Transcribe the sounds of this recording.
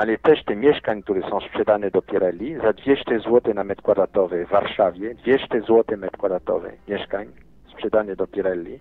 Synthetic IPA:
alɛt̪ɛʂt̪ɛmʲjɛʂkaɲk̚t̪uɾɛsɔ̃w̃spʂɛd̪anɛd̪ɔpʲjɛɾɛlːʲizad̪vʲjɛʂt̪ɛzwɔt̪ɛnamɛt̪kwad̪at̪ɔvɛvːaɾʂavʲjɛd̪vʲjɛʂt̪ɛzwɔt̪ɛmɛt̪kwad̪at̪ɔ̰vɛ̰mʲjɛʂkaɲ | spʂɛd̪anɛd̪ɔpʲjɛɾɛlːʲi

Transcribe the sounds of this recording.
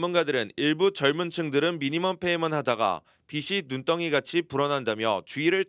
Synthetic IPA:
munɡadɯɾɯniɭbut͡ɕʌɭmunt͡ɕʰɯŋdɯɾɯnmiɲimʌmpʰe̞imɯnɦadaɡa̰ | piɕʰinunt͈ʌŋiɡat͡ɕʰipuɾʌnɦandamjʌ̰t͡ɕuiɾɯɭ

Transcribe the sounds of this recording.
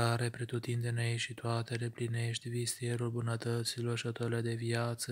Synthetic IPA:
aɾe̞pɾet̪ut̪ind̪eneeʃit̪oat̪e̞lepline̞ʃt̪ʲvist̪ijeɾulbunət̪ət̪silo̞rʃiot̪oɾiled̪e̞viat̪sə

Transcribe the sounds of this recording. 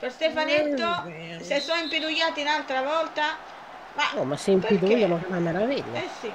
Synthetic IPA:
pɛɾst̪ɛfanɛt̪ːo | sɛsɔimpid̪ujːaːt̪inalt̪ɾavɔlt̪a | manɔmːasːɛimpiðuiʎːalɔkalamaɾaviʎːaɛsi

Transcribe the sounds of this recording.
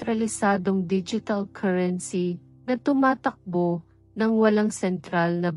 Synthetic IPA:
t̪ɾɐlɪsaːd̪oŋd̪id͡ʒɪt̪ɐlkʰaɹɛnsi | nɐt̪ʊmaːt̪ɐk̚bo | nɐŋwɐlaŋsɛnt̪ɾalnɐ

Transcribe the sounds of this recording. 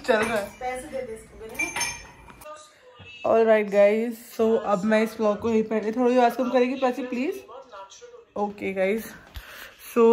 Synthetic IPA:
t͡ʃɐlɡa | ɔːlɾaɪʈ̚ɡaːɪzsoːʔɐbmɛ̃ɪsflɔːkoɦeipɛ̃ːɖẽt̪ʰoːɽajiʋaːskɐmkɐɾẽːɡipasipliːz | oːkeɡaːɪz | soː

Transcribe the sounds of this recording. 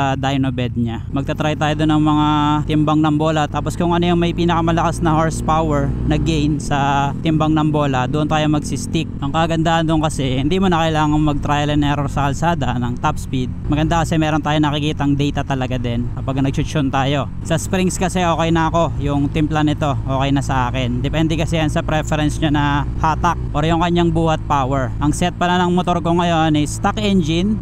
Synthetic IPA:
ɐd̪ajnobɛd̪̚ɲa | mɐɡ̚t̪ɐt̪ɾajt̪aːjod̪onʔɐŋmɐŋat̪ɪmbɐŋnɐmbo̞ːlɐt̪aːpo̞skʊŋʔɐnojɐŋmɐjpiːnɐkɐmɐlɐkasnɐhaɹspawɛɹnɐɡɛjnsɐt̪ɪmbɐŋnɐmbo̞ːlɐd̪ʊʔont̪aːjomɐɡsɪst̪ik̚ʔɐŋkɐɡɐnd̪aːʔɐnd̪ʊŋkɐsɛhɪnd̪imonɐkɐʔɪlaːŋɐŋmɐɡ̚t̪ɾajɐlɛnɛɾosɐkɐlsaːd̪ɐnɐŋt̪apspid̪̚mɐɡɐnd̪akɐsɛmɛːɾo̞nt̪aːjonɐkɪkiːt̪ɐŋd̪ɛjt̪ɐt̪ɐlɐɡad̪ɛnkɐpaɡɐnɐɡ̚t͡ʃʊt͡ʃont̪aːjo̞ | sɐspɾiŋskɐsɛʔo̞ːkɛjnɐɐko̞jʊŋt̪ɪmplɐnɪt̪o̞ʔo̞ːkɛjnɐsɐʔaːkɪnd̪ɛpɛnd̪ɛkɐsɛjansɐpɾɛfɛɾɛnsɲanɐhaːt̪ɐk̚ʔɛɾjʊŋkɐɲːaŋbuːhɐt̪̚pawɛɹʔɐŋsɛt̪̚pɐlɐnɐŋmot̪o̞ɾkoŋɐjo̞nɪst̪akʔɛnd͡ʒɪn

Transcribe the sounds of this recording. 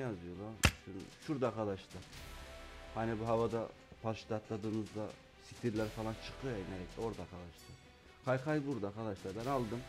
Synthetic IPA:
jazɯjo̞lˠaɾʃynʃuɾd̪aːkʰad̪aʃt̪ˠɯ | hanibuɦavad̪a̰ | pʰalʃt̪ʰat̪lˠad̪ɯːnɯzd̪a | si̥t̪ʰiɾlʲæɾfalˠant͡ʃʰɯ̥qʰɯjaineɾɛclʲɛo̞ɾd̪aɾkʰad̪aʃt̪ˠɯ | kʰajkʰajbuɾd̪akad̪aʃlˠaɾbænalˠd̪ɯm

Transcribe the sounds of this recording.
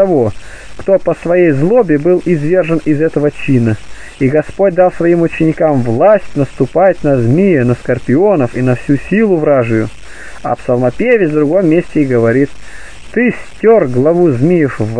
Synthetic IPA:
ɐvo | kt̪opəsvɐjejzlˠobʲɪbɨlˠɪzvʲe̞rʐənɪzɛt̪əvət͡ɕinə | iɡɐspo̞t̚ʲd̪ɑlˠsvɐimʊt͡ɕɪnʲɪkamvlˠasʲtʲnəst̪ʊpat̚ʲnɐzmʲijənəskərpʲɪonəfinɐfsʲusʲilˠʊvɾaʐɨjʊ | ɐ̰psɐlˠmɐpʲevʲɪvd̪ɾʊɡomːʲesʲtʲɪɡəvɐɾʲit̪ | t̪ɨsʲtʲorɡlˠɐvuzmʲijɪfv

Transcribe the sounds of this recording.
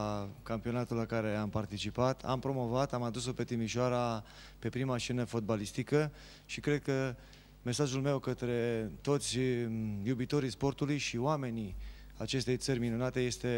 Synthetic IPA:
kampio̞nat̪ulːakaɾe̞ampart̪it͡ʃipat̪ʰa̰mpɾo̞mo̞vat̪amad̪uso̞pe̞t̪imiʃoaɾa | pe̞pɾimaʃenəfo̞t̪̚balist̪ikə | ʃikɾe̞d̪̚kə | me̞saʒulme̞wkət̪ɾe̞t̪o̞t̪sʲjubit̪o̞ɾijspo̞rt̪ulujʃioame̞ni | at͡ʃe̞st̪e̞jt̪sərʲminunat̪e̞je̞st̪e̞

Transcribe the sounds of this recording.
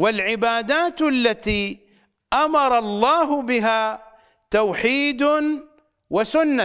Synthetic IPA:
walʕɪbaːd̪aːt̪ʔalːat̪iː | ʔamɑɾˤɑlˤːɑːɦʊbɪɦaː | t̪awħiːd̪ | wasʊnːa

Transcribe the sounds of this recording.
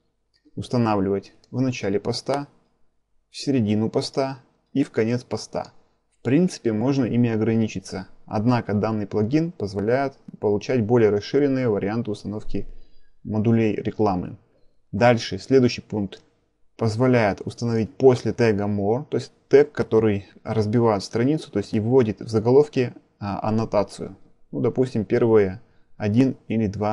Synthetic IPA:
ʊst̪ɐnavlʲɪvətʲ | vnɐt͡ɕælʲɪpɐst̪a | fsʲɪɾʲɪdʲinʊpɐst̪a | ifkɐnʲe̞t̪spɐst̪a̰ | fpɾʲint̪sɨ̥pʲɪmo̞ʐnəʔimʲɪɐɡɾɐnʲit͡ɕɪt̪səɐ̰d̪nakəd̪anːɨjplˠɐɡʲinpəzvɐlʲæjɪt̪pəlˠʊt͡ɕæt̚ʲbo̞lʲɪjəɾɐsʂɨɾʲɪnːɨjəvəɾʲɪant̪ɨʊst̪ɐno̞fkʲɪmɐd̪ʊlʲejɾʲɪklˠamɨ̰ | d̪alʲʂɨsʲlʲe̞d̪ʊjɕːɪjpunk̚t̪ | pəzvɐlʲæjɪt̪ʊst̪ənɐvʲit̚ʲpo̞sʲlʲɪt̪ɛɡəmot̪o̞ɪsʲtʲt̪ɛkːɐt̪o̞ɾɨjrəzbʲɪvajʊt̪fst̪ɾɐnʲit̪sʊ̥t̪o̞jɪsʲtʲivvo̞dʲɪt̪vzəɡɐlˠo̞fkʲɪ | ɐ̰nɐt̪at̪sɨjʊ̰ | nud̪ɐpusʲtʲɪmpʲe̞rvɨjə | ɐdʲinilʲɪd̪va

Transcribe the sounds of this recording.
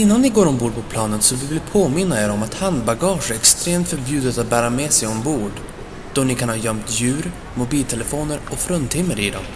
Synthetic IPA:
ɪnːannɪɡoːɾɔmbuːɖpʰɔpʰlɑːnənsɔvɪvɪlpʰoːmɪnːaɛɾɔmat̪hand̪baɡɑːʂɛɾɛkst̪ɾeːmt̪fœɾbjʉ̟ːd̪ət̪at̪̚bæːɾamɛːsɛjɔnbuːɖ | d̪̥ɔnɪkʰanhɑːjœmt̪jʉ̟ːɾ | mʊbiːlt̪ʰɛlɛfoːnəɾɔfɾɵnt̪ʰɪmːəɾɪd̪ɔ̰m

